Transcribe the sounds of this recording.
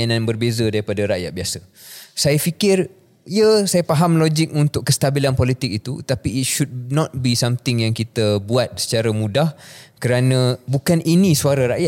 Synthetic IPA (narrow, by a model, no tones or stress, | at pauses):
anãnbərbezədaɾipadaɾaʔja̰t̪̚biasa | sajafikɪr | iəsajapaɦamlod͡ʒɪk̚unt̪ʊkkːəst̪abilanpolit̪ɪk̚it̪ut̪apiit̪̚ʃud̚nɔt̪̚bisamt̪ɪŋjaŋkit̪əbuat̪̚sə̥t͡ʃaɾamũdahkəɾanə̃bukanʔinĩsuaɾaɾaʔja